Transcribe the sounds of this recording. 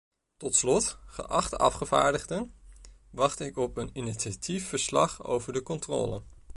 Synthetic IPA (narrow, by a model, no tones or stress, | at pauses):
tɔtslɔtχə̰ʔɑχtəɑ̰fχəv̥a̰ːɹdəχdən | ʋɑχtɪkɔpənɪnit͡ʃatifːəɹslɑ̰χo̰wvəɹdəkɔntrɔ̰ːlə̰